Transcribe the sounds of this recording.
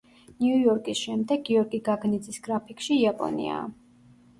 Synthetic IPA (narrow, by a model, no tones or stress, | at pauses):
niujɔɾkʼisʃɛmd̪ɛɡːiɔɾɡiɡaɡnid̪zisɡɾapʰikʰʼʃiiapʼɔ̰nḭa̰